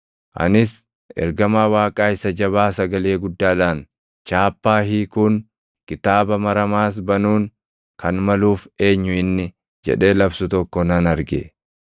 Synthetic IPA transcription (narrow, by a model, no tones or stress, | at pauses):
ʔɐ̰nɪs | ʔɛ̰ɾɡɐmaːwaːkʼaːɪsɐd͡ʒɐβaːsɐɡɐle̞ːɡʊd̪ːaːlaːn | t͡ʃaːpːaːɦiːkʊn | kʼɪt̪aːbɐmɐɾɐmaːs̬bɐnuːŋ | kɐnmɐluːfe̞ːɲːʊɪnːɪ | d͡ʒɛ̰ᶑe̞ːlɐbsʊt̪ɔkːɔnɐnɐɾɡḛ